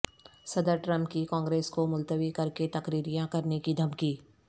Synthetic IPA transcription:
sɐd̪əɾʈɾɐ̃mpkikãːŋɡɾeːskomʊlt̪əʋikɐɾket̪ɐkɾiːɾijãkɐɾnekid̪ʱɐmkiː

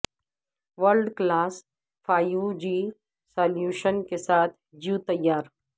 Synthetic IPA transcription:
ʋəɾɖklaːs | fʰaːjud͡ʒiː | saːljuːʃənkesaːt̪ʰd͡ʒjuːt̪ɐjːaːɾ

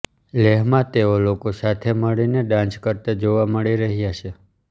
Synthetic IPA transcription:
leɦmãt̪eolokosat̪ʰeməɭineɖãnt͡ʃkəɾt̪ad͡ʒoʋaməɭiɾəɦijat͡ʃʰe

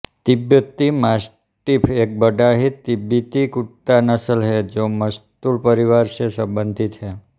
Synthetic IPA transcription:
t̪ibjət̪ːimas | ʈipʰek̚bəɖaɦit̪ːibjit̪ikuʈt̪anəsəlɦed͡ʒoməst̪ulpəɾiʋaɾʃesəbənd̪ʱit̪ɦe

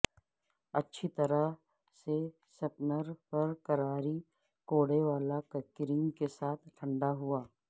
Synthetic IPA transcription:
ɐtːʃʰit̪ɐɾə | se | sɐpnəɾpɐɾkɐɾaːɾi | koːɽeʋaːlakəkɪɾɪ̃ŋɡkesaːt̪ʰʈʰə̃ɳɖaɦuaː

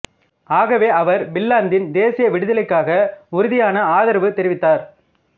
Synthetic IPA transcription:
aːɣɐʋeːʔɐʋɐɾbɪlːaːnd̪ɪnd̪eːsɪjɐʋɪɽɯðɐlɪkːaːɣɐʊɾʊðɪjaːnɐaːðɐɾʋɯt̪ɛɾɪʋɪt̪ːaːɾ

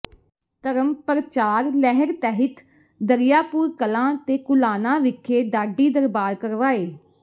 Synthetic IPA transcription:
t̪əɾəmpəɾət͡ʃaːɾlɛːɦəɾt̪ɛːɦɪt̪ | d̪əɾɪjaːpuːɾkəlãːt̪eːkʊlaːnãːʋɪkʰːeːɖaːɖːiːd̪əɾbaːɾkəɾʋaːeː

